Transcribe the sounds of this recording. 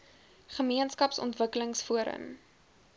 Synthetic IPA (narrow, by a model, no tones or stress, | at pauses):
χəmiənskɐpsɔ̰ntvəkələŋsfuəɾə̰m